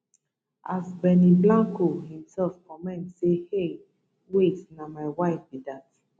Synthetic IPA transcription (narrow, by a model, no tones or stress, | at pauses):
ʔasbɛniblãŋkohĩmsɛlfkɔ̃mɛ̃ntsehe | wetnamaɪwaɪfbidat